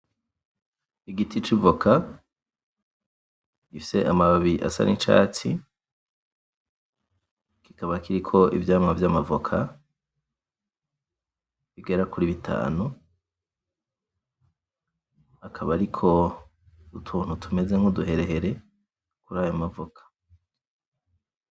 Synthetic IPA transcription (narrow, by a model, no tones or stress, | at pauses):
iɡitʰit͡ʃivokʰa | ɡ̥ifise̞ʔamaβaβiʔa̰sa̰nʔḭnt͡ʃa̰ːt͡si | ki̥kaβakiɾikʰo̞ḭvjaːmavjamavokʰa | βiɡe̞ɾakuɾiβitʰa̰ːnu | akʰaβaɾikʰo̞ | utʰuːn̥hutʰume̞ze̞ŋ̥uduɦe̞ɾe̞ɦe̞ɾe̞ | kuɾaːjomavokʰḁ